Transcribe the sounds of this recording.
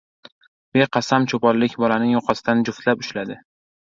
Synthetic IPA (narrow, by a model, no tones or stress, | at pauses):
b̥e̞qʰɑsamt͡ʃʰopɒlːɪkʲbɒlanɪŋjɒqʰɑsɪd̪and͡ʒʊft̪lapʊʃlad̪ɪ